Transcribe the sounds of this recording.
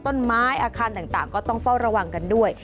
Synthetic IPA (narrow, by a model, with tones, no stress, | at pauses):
t̪o˥˩nmaː˦˥jʔaː˧kʰaː˧nt̪aː˨˩ŋt̪aː˨˩ŋkɔː˥˩t̪ɔ˥˩ŋfa˥˩wɾa˧wa˧ŋka˧ndu˥˩əj